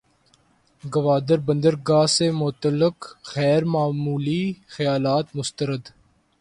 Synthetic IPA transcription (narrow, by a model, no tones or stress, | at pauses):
ɡəʋaːd̪əɾbə̃nd̪əɾɡaːseːmʊt̪əlɪqxɛːɾmaːmuːliːxəjaːlaːt̪mʊst̪əɾəd̪